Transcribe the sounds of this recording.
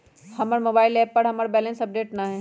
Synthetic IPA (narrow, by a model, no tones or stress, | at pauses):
hɐmaɾmoːbaːɪlɛːpːɐɾɦɐmaːɾbɛːlə̃nsɐp̚ɖeːʈnɐɦɛ̃ː